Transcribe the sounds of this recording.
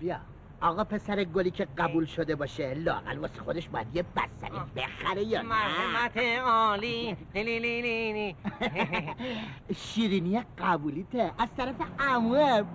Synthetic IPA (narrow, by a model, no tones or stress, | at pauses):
bijɒ | ɒːɣɒːpʰe̞sæɾeɡoliːcʰe̞ɡæbuːlʃod̪e̞bɒːʃelɒːæ̰ɣæ̰lvɒːsi̥xod̪eʃbɒːjæd̪jebæ̰st̪æ̰ɾibḛxæɾejɒːnmæt̪ʰeɔːli | iliini | ʃiːɾinijeɡæbuliːt̪ʰeʔæzt̪ʰæɾæfeʔæmue